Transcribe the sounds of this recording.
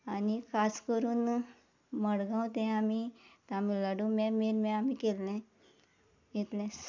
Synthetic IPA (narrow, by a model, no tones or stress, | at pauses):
anikʰaskəɾuːn | məɽɡãwt̪ɛ̃amit̪amiləɽũmɛmeɾmɛ̃amikelːɛ̃ | it̪lɛ̃